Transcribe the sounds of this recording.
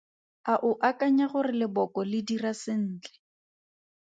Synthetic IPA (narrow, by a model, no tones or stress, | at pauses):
aʔʊʔakaɲaɣʊrɪlɪbɔkɔlɪdirasɪn̩ːt͡ɬɛ̥